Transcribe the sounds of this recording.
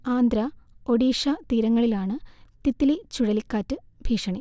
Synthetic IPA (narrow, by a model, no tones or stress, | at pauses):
aːnd̪ɾɐoɽiːʂɐt̪iːɾɐŋːɐɭilaːɳɨt̪it̪ːilit͡ɕuɽɐlikːaːtːɨbʱiːʂɐɳi